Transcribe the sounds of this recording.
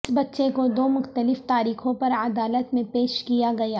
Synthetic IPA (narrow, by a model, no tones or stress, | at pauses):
sbɐtːʃekod̪oːmʊxt̪əlɪft̪aːɾiːxõpɐɾɐd̪aːlət̪mẽpeːʃkijaɡɐjaː